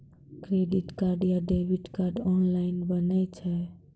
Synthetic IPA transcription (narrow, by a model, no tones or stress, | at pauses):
kɾeɖiʈkaɾɖjaɖebiʈkaɾɖɔnlaɪnbənəjt͡ʃʰɛ